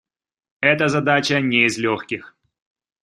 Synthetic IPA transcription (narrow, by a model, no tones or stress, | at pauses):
ɛt̪əzɐd̪at͡ɕənʲeɪzlʲoxkʲɪx